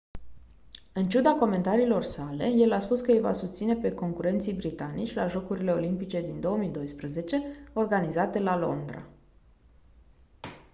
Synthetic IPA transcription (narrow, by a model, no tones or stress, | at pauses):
ɨnt͡ʃud̪ako̞me̞nt̪aɾiːlo̞rsale̞je̞laspuskəjva̰sust̪sine̞pe̞ko̞ŋkuɾe̞nt̪sijbɾit̪anit͡ʃʲlaʒo̞kuɾile̞o̞limpit͡ʃe̞d̪ind̪o̞əmid̪o̞jspɾəze̞t͡ʃe̞o̞rɡanizat̪e̞lalo̞̰nd̪ɾa̰